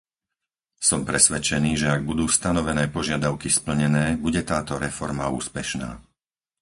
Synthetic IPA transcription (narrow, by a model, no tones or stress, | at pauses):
sɔmpɾɛsʋɛt͡ʃɛniːʒɛaɡ̚bud̪uːst̪anɔʋɛnɛːpɔʒɪad̪aʊkispl̩ɲɛnɛːbuɟɛt̪aːt̪ɔɾɛfɔɾmaṵːspɛʃna̰ː